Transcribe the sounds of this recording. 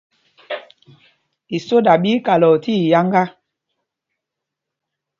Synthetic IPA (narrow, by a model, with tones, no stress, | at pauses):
i˨so˦da˨ɓiː˦ka˨lɔ˨ti˦˨ja˦ŋɡa˦